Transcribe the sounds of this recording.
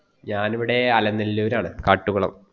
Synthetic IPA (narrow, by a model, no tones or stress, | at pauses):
ɲaːniʋiɽe̞ɐlɐnːilːuʋɐɾaːɳɨkaːʈːuɣɐɭɐ̰m